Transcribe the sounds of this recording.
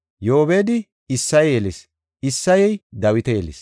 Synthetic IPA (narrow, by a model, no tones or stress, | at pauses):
joːbeːd̪ɪ | ɪsːɐjeles | ɪsːɐjɛjd̪ɐwɪt̪ɛjɛlḛs